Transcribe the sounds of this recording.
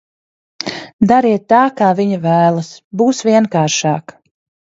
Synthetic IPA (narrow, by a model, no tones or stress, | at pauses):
d̪aɾiɛt̪ːaːkaːviɲavæːlˠɐsbuːsvʲiɛnkaːɾʃaːk